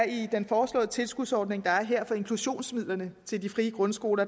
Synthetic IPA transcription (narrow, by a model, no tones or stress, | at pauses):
ɐid̥enfɒːslɔ̰̽ːðˠət͡sʰe̝lsɡ̥uð̥ˠsɒːd̥ne̝ŋd̥ɑ̈æɐɦeɐ̰fɒ̽e̝ŋkʰluɕo̝̰ːnsmið̰ˠlɐnət͡sʰe̝ld̥ifʁiːəɡ̥ʁɔ̽nsɡ̥o̝ːlɐ